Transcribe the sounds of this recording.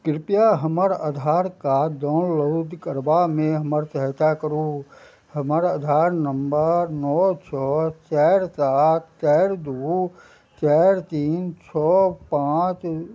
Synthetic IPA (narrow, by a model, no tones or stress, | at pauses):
kɾɪpjaɦəməɾəd̪ʱaːɾkad̪ɔːnloːd̪kəɾbamẽɦəməɾt̪əɦt̪akəɾu | həməɾəd̪ʱaːɾnəmbənɔːt͡ʃʰɔt͡ʃɛːɾsaːt̪̚ʰt͡ʃɛːɾd̪u | t͡ʃɛɾt̪iːnt͡ʃʰɔːpãːt͡ʃ